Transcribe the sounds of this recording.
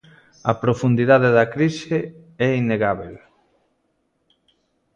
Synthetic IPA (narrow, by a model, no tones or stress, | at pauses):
ɐpɾofund̪iðaðeðɐkɾise | ɛinːeɣaβel